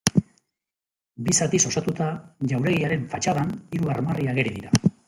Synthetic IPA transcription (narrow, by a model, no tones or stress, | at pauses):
bisat̪iso̞sat̪ut̪aʝawɾe̞ɣejaɾe̞ɱfat͡ʃaðaniɾuarmariaɣe̞ɾiðiɾa